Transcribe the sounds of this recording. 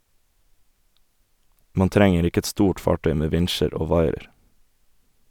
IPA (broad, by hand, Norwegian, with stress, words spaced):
ˈmɑːn ˈtɾɛŋəɾ ˈɪkə ˈɛt ˈstuːʈ ˈfɑːˌʈœʏ ˈmeː ˈʋɪnʃəɾ ˈoː ˈʋɑɪəɾ